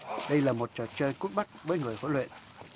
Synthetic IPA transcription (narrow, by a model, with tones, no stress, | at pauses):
ɗə˧jlaː˨˩mo˨˩t̚t͡ɕəː˨˩t͡ɕəː˧jku˦˥t̚ɓa˦˥k̚vəː˨˦jŋɨ˨˩əjho̰˧˥lwḛ˧˨n